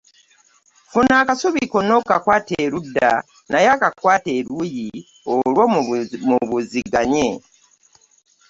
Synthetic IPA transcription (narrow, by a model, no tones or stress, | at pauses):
funaːkasuβikonokakwaːteɾuda | najaːkakwaːteɾuji | olwomuβuziɡaɲe